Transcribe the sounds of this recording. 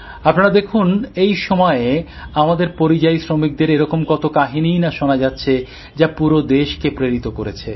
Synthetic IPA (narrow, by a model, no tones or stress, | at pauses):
apnaɾad̪ekʰunejʃɔmɔe | amad̪eɾpoɾid͡ʑajsɾomik̚d̪eɾeɾɔkomkɔt̪okaɦinijnaʃonad͡ʑatːɕʰe | d͡ʑapuɾod̪eʃkepɾeɾit̪okoɾet͡ɕʰḛ